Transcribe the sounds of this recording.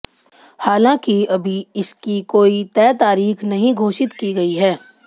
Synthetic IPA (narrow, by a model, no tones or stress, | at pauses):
haːlãːkiɐbʱiɪskikoːit̪ɛːt̪aːɾiːxnɐɦĩɡʱoːʃɪt̪kiɡɐiɦɛː